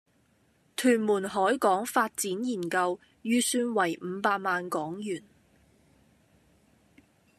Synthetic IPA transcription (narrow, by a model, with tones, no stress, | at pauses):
t̪ʰyː˨˩nmuː˨˩nɦɔː˨˥jkɔː˨˥ŋfaː˧t̚t͡siː˨˥njiː˨˩nkɐ˧w | jyː˧syː˧nwɐ˨˩jm̩˨˧paː˧k̚maː˧nkɔː˨˥ŋjyː˨˩n